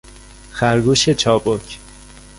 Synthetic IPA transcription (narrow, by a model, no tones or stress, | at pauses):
xæɾɡuːʃet͡ʃʰɒːbocʰ